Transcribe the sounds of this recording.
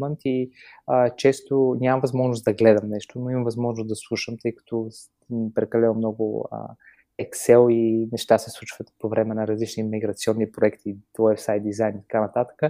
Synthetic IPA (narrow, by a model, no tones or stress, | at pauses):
ənt̪iət͡ʃɛst̪onʲamɐvɐzmɔʒnʊsd̪ɐɡlɛd̪əmnɛʃt̪onoiməmvɐzmɔʒnʊsd̪ɐslˠuʃəmt̪ɤjkɐ̥t̪ɔs | mpɾɛkɐlɛnomnɔɡʊ̰ə̰ | ɛksɛlˠinɛʃt̪asɛslˠut͡ʃvət̪povɾɛmɛnɐɾɐzlit͡ʃnimiɡɾɐt̪siɔnːipɾoɛkt̪iwajfsajt̪̚d̪izajnit̪ɐ̥kanɐt̪at̪ə̥kə